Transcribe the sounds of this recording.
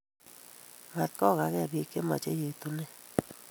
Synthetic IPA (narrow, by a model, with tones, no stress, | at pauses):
ma˨t̪̚kɔ˦˨ka˨kɛ˦˨bi˨ke˦ma̰˨t͡ʃḛ˦je˨t̪u˨ne˦